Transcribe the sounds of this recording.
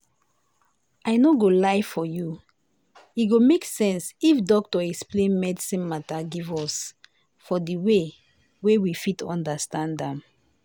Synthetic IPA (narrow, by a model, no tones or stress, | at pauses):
aɪnoɡolaɪfɔju | iɡomeksɛ̃nsifdɔk̚tɔɛksplẽnmɛdisĩnmataɡivɔs | fɔdiwe | wewifitʰɔ̰̃ndəstãndɛ̃m